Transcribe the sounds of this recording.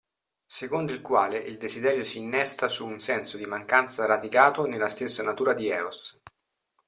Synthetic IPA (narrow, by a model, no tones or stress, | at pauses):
sekond̪oilkwaːleʔild̪ezid̪ɛːɾjosiːnːɛst̪asuːnsɛnsod̪imaŋkant̪saɾad̪ikaːt̪onelːast̪esːanat̪uːɾad̪iɛːos